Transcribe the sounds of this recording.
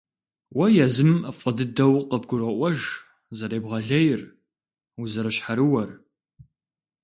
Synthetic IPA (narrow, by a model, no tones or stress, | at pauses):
wɐjɛzɨmɐfʷʼɐdɨdɐwqəbɡʷʊɾɐʔʷɔʒ | zɐɾeːbʁɐɮɐjɪr | uzɐɾɨɕħaɾɨwɐr